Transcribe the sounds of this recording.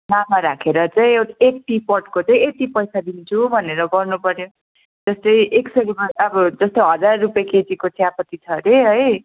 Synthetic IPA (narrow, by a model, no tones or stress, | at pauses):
namaɾakʰeɾʌt͡saĩewʈek̚ʈipʌʈkot͡saĩet̪ipʌjsad̪int͡sʰubʱʌneɾʌɡʌrnupʌɾjo | d͡zʌst̪ʌjʔeksʌɾimaʌbʌd͡zʌst̪oɦʌd͡zarːupjaket͡sikot͡sʰijapʌt̪it͡sʰʌɾeɦʌj